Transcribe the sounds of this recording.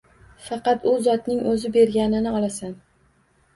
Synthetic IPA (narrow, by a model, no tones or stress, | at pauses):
fɑqɑt̪ʊzɒt̪nɪŋɵzɪbe̞ɾɡʲanɪnɪɒlˠasan